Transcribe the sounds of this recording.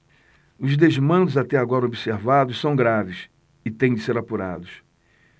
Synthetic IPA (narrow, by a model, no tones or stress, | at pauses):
ʊzd̪ezmɐ̃nd̪ʊzat̪ɛaɡɔɾɐobiseɾvad̪ʊssɐ̃w̃ɡɾavɪs | ɪt̪ẽj̃d͡ʒɪseɾapuɾa̰d̪ʊs